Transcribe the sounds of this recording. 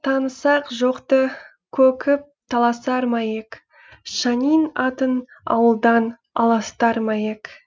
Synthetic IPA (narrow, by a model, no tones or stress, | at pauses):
t̪ʰɑnəsɑqʒo̞qt̪ə | kʲʰɵkʲʰɪp̚t̪ʰɑlˠɑsɑɾmɑjek | ʃɑnijnɑt̪ənɑ̰wəlˠd̪ɑn | ɑ̰lˠɑst̪ɑɾmɑjek